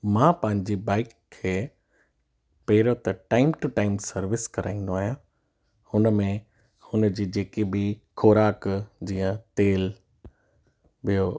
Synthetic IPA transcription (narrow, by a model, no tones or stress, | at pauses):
mãːpɐ̃ɦɪ̃ɲd͡ʑibaːɪkʰːeː | peːɪɾot̪ɐʈaːɪmʈuʈaːɪmsɐɾʋɪskɐɾa̰ːĩn̆d̪oaːɦijã | hʊnəmẽ | hʊnəd͡ʑiːd͡ʑeːkebɪkʰoːɾaːkd͡ʑiːə̃t̪eːl | ɓijo